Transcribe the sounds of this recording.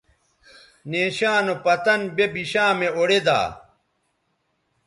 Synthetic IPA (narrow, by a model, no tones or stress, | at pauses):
neːɕaːnopɐt̪ɐnbebiɕãːmeoɽed̪a̰ː